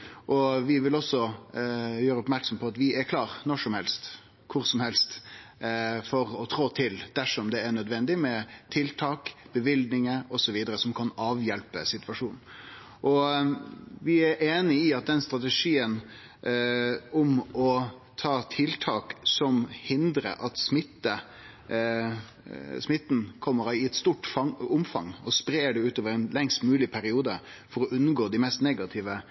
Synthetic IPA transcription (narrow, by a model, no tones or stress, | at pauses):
ʔɔʋɪʋɪlɔsːɔ | jøːɾəɔpmæɾksɔmpʰɔɑt̪ʋɪʔæɾkʰlɑːɾnɔʂɔmhɛlst̪ | kʰʊɾsɔmhɛlst̪ | fɔɾɔt̪ʰɾoːt̪ʰɪld̪̥æʂɔmd̪ɛːɳœd̪ʋɛnd̪ɪmɛt̪ʰɪlt̪ʰɑːkb̥əʋɪld̪nɪŋəɔsɔʋiːd̪əɾəsɔmkʰɑnɑːʋjɛlpəsɪt̪ʋɑʂuːnn̩ | ʔɔ | ʋɪæɾʔeːnɪɪɑt̪̚d̪ɛnst̪ɾɑt̪əʂiːən | ʊmɔ | t̪ʰɑːt̪ʰɪlt̪ʰɑːksɔmhɪnd̪ɾə̰ʔɑt̪smɪt̪ːə | smɪt̪ːn̩kʰɔmːəɾɪɛt̪st̪uːʈfɑʊmfɑ̰ŋːɔspɾeːɖɛʉːt̪oːʋəɾɛnlɛŋst̪mʉːlɪpʰæɾɪuːd̪ə | fɔɾɔʔʉnːɡoːd̪ɪmɛst̪neːɡɑt̪ʰɪʋə